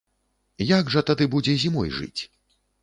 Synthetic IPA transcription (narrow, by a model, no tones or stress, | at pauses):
jaɡʐɐt̪ad̪ɨbud͡zʲɛzʲimɔ̰jʐɨ̰t͡sʲ